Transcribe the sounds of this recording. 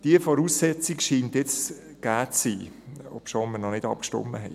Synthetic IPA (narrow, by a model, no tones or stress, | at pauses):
d̥iəfɔɾuːsːɛt͡sikʃiːntjɛt͡s | ɡ̥aːt͡sːiːɔ̰pʃoməɾnɔnɪd̥ɑ̰p̚kʃtɔ̰mːəɦɛɪ